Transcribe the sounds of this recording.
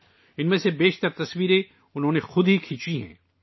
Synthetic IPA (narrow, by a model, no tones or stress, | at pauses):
ɪnmẽsebeːʃt̪əɾt̪ɐswiːɾe | ʊnɦõːnexʊd̪ɦikʰiːt͡ʃiɦɛ̰̃ː